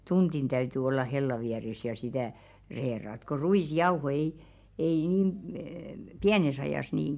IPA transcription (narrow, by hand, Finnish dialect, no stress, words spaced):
tund̥in tæyty olːɑ helːɑ ʋiæres jɑ sitæ reːrɑt ko ruisjɑuho ei ei niːm əː piænes ɑjɑˑs niˑn